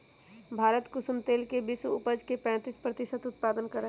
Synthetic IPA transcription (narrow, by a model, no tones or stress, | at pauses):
bʱaːɾət̪kʊsumt̪eːlkebisuʊpəd͡ʒkepɛ̃ːt̪ispɾət̪ɪsət̪ʊt̪̚paːd̪ənkəɾə